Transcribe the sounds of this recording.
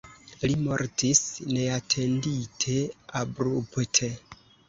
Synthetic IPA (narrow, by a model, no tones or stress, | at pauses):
limo̞ɾtisne̞atʰe̞nditʰe̞abɾuptʰe̞